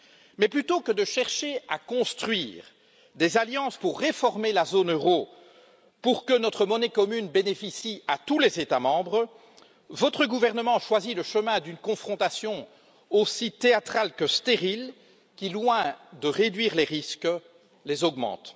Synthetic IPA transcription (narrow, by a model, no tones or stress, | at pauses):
mɛplyt̪okəd̪əʃɛʁʃea̰kɔ̃st̪χɥiːʁ | d̪ezaljɑ̃spuʁːefɔʁmelazonøʁo | puʁkənɔt̪χəmɔnɛkɔmynbenefisiat̪ulezet̪amɑ̃bʁ | vɔt̪χəɡuvɛʁnəmɑ̃ʃwaziləʃəmɛ̃d̪ynkɔ̃fχɔ̃t̪asjɔ̃ | osit̪eat̪χalkəst̪eʁil | kʲilwɛ̃d̪əʁed̪ɥiːʁleʁisk | lezɔɡmɑ̰̃t̪